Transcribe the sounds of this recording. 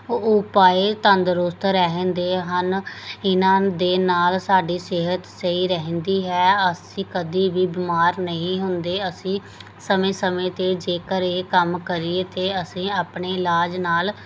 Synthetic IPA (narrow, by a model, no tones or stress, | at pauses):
ʊpaːeːt̪ə̃nd̪ɾʊːst̪ɾɛɦə̃nd̪eːɦənɪnãːd̪eːnaːlsaːɖiːsɪɦət̪səiːɾɛɦɛ̃ːnd̪iːɦɛːəsĩːkəd̪iːʋiːbɪmaːɾnəĩːɦʊnd̪eːəsĩː | səmẽːsəmẽːt̪eːd͡ʒeːkəɾeːkəmkəɾieːt̪eːəsĩːaːpɳeːɪlaːd͡ʒnaːl